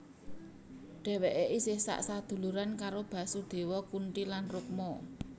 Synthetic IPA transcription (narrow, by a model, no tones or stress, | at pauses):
ɖ̪̥ɛ̤weʔeʔisɪhsa̰ʔsad̪̥ṳluɾankaɾob̥ä̤sud̪̥e̤wɔkuɳʈilanruk̚mɔ